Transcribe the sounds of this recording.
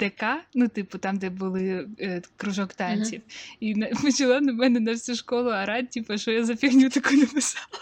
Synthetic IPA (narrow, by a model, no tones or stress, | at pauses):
d̪̥ɛkɑnut̪ɪpʊt̪ɑmd̪ɛbʊlˠɪkɾʊʒɔkt̪ɑnʲsʲiwinɐpɐt͡ʃɐlˠɔnɐmɛnɛnɐfsʲuʃkɔlˠʊɐɾɑd̚ʲtʲːipɐʃɔjazɐpʲixnʲut̪ɐkujnɐpɪsɑlˠ